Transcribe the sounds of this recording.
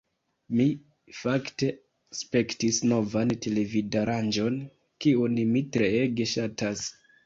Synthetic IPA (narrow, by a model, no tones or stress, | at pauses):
mi | fakte̞ | spe̞ktisno̞vante̞le̞vidaɾand͡ʒo̞n | kiunmitɾe̞eɡe̞ʃatas